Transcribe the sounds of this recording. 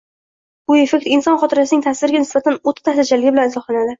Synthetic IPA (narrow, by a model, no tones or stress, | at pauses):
ʊefekʲt̪ɪnsɒnχɒt̪ʰɪɾasɪnɪŋʲt̪ʰasɪɾɪɡʲanɪsbat̪ʰanot̪ʰːḁt̪ʰaht̪at͡ʃʰalɪɡʲɪbɪlanɪzɒχlˠanad̪ɪ